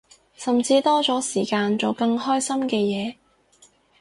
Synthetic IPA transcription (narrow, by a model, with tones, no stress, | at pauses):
sɐ˨mt͡siː˧t̪ɔː˥t͡sɔː˨˥siː˨˩kaː˧nt͡so˨wkɐ˧ŋhɔː˥jsɐ˥mkɛː˧jɛː˨˧